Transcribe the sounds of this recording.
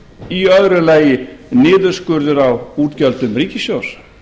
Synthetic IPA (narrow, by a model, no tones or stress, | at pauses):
iœðɾʏlaːjɪnɪːðʏɾ̥skʏɾðʏɾawuːt̪cœlt̪ʏmriːcɪsjows